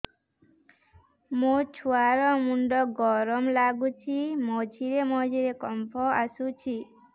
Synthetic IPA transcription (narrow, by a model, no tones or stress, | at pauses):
mut͡ʃʰuaɾɔmuɳɖɔɡɔɾɔmlaɡut͡ʃʰimɔd͡ʒʱiɾemɔd͡ʒʱiɾekɔmpʰɔasut͡ʃʰi